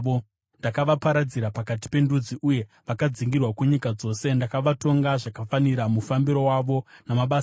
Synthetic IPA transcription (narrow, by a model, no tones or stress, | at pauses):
o | ndakaʋapaɾad͡ziɾapakati̥pe̞ndud͡ziʔuje̞ | ʋakad͡ziŋɡirwakuɲikad͡zo̞ːse̞ndakaʋato̞ŋɡaʐakafaniɾamufambiɾo̞waʋo̞namaɓa